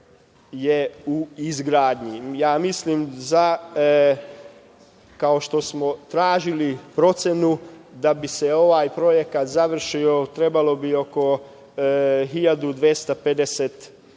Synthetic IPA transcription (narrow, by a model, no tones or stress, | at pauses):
jeuizɡɾaːd̪ɲijaːmislimza | kao̞ʃt̪o̞smot̪ɾaːʒilipɾo̞t̪senud̪abise̞o̞ʋaːjpɾo̞je̞kat̪zaʋr̩ʃio̞t̪ɾe̞balo̞bio̞ko̞ | ɦiʎad̪ud̪ʋjest̪aped̪eset̪